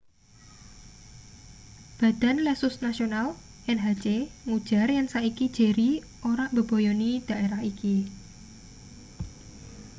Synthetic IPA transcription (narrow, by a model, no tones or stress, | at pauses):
b̥a̤d̪̥a̤nlɛsʊsnasional | ɪnɦḁt͡ʃeŋud̥ʒ̥a̤rjaŋsaʔikid̥ʒ̥e̤ɾi | ʔoɾab̥ə̤b̥ɔ̤jɔnid̪̥a̤ʔeɾahiki